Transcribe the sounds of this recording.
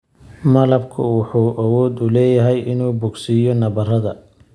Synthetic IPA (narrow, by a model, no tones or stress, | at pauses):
mɐlɐbkʰʊwʊħuːʔɐwɔːd̪ʊlɛːjɐɦɛjɪnuːbʊɡsijɔnɐβɐrɐðɐ